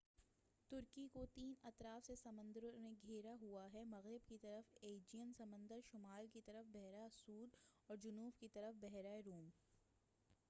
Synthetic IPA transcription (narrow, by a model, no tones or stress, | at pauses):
t̪ʊɾkikot̪iːnɐt̪ɾaːfsesɐmə̃nd̪əɾomẽɡʱeːɾaɦuaɦɛmɐɣɾɪbkit̪ɐɾəfeːd͡ʒijənsɐmə̃nd̪əɾʃʊmaːlkit̪ɐɾəfbɛɦɾasuːɾɔːɾd͡ʒʊnuːfkit̪ɐɾəfbɛɦɾaeɾoːm